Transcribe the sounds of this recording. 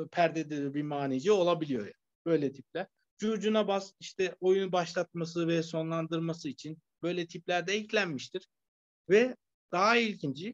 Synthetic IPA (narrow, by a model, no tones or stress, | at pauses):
pʰæɾd̪ed̪ibimaːniːd͡ʒio̞lˠabilʲijoja | b̥ø̞jlʲɛt̪ʰiplʲæɾ | d͡ʒud͡ʒunabasiʃt̪ʰɛo̞junubaʃlˠat̪̚mas̬ɯvɛso̞nlˠand̪ɯɾmasɯit͡ʃʰin | bø̞jlʲɛt̪ʰiplʲæɾd̪ɛɛclʲænmiʃt̪ʰiɾ̥ | vɛ | d̪̥aɦailʲcʰind͡ʒi